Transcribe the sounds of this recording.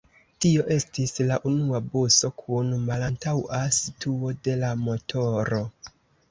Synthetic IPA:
tio̞ʔe̞stislaʔunuaboso̞kʰunmalantawasitʰuo̞de̞lamo̞tʰo̞ɾo̞

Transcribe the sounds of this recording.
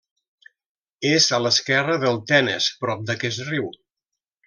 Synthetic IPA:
ezələskɛrəðəlˠt̪ɛnə̰spɾɔp̚d̪əkɛsriw

